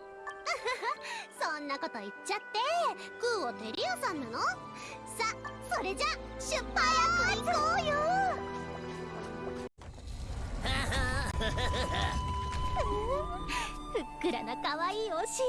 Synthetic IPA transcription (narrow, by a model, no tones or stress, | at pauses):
sõnːako̞t̪o̞it͡ɕt͡ɕːat̪ːe̞ | kɯːo̞t̪e̞ɾʲiosãnːano | saso̞ɾe̞d͡ʑa | ɕɨpːajaojɯ | ha | sɯkːɯ̟ɾanokaβaiːhoɕi